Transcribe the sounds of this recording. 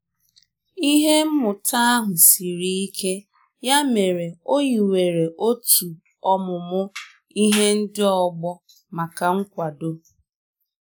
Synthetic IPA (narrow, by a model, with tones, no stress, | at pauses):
i˦ɦe˦m̩˦mʊ˨tʰa˦a˦ɦʊ˨si˨ɾi˦i˦kʰe˦ | ja˦me˨ɾe˨o˦ɲi˨we˨ɾe˨ʔo˦tu˨ | ɔ˦mʊ˨mʊ˦ | i˦ɦe˦n̩˦dɪ˦ɔ˨ɡ͡bɔ˦ | ma˨ka˨ŋ̩˦kʷa˨do˦